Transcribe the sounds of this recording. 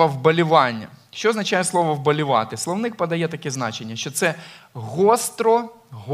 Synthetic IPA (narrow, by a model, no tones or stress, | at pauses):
ɐwbɐlʲʊʋɑnʲːɐ̰ʃt͡ʃɔːznɐt͡ʃajɛslˠɔʋɔwbɐlʲʊʋɑ̰t̪ɪslˠɔwnɪk̚pɐd̪ɐjɛt̪ɐkɛznɑt͡ʃenʲːɐʃt͡ʃɔt̪sɛɦɔst̪ɾɔ | ɦ